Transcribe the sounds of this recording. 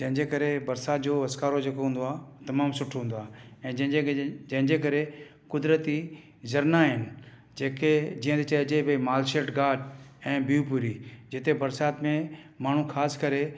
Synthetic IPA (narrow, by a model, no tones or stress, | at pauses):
d͡ʑɐ̃ɦɪ̃ɲd͡ʑekɐɾebɐɾsaːt̪d͡ʑoːɐskaːɾod͡ʑeːkoɦũːn̆d̪oaːt̪ɐmaːmsʊʈʰɦũːnd̪oaːɦɛ̃ːd͡ʑɐ̃ɦɪ̃d͡ʑed͡ʑɐ̃ɦɪ̃ɲd͡ʑekɐɾe | kʊd̪ɾət̪i | zɐɾnaɦɪnɪ̆ | d͡ʑeːked͡ʑiːə̃t̪et͡ɕɐet͡ɕeebɐimaːlʃeːʈɡaːɖɛ̃ːbiupuɾid͡ʑɪt̪ebɐɾsaːt̪mẽ | maːɳ̤ũxaːskɐɾe